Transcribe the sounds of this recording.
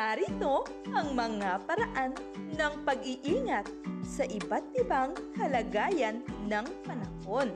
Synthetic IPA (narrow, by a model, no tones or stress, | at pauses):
aɾit̪o̞ | ʔɐŋmɐŋapɐɾɐʔanː | ɐŋpɐɡɪʔiːŋɐt̪̚sɐʔɪbat̪̚ʔɪbaŋkɐlɐɡaːjɐnːɐŋpɐnɐho̞n